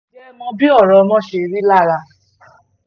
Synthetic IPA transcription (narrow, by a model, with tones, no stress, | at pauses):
d͡ʒɛ˦mɔ̃˧bi˦ɔ˦˨ɾɔ˧mɔ̃˦ʃe˧˨ɾi˦la˦˨ɾa˧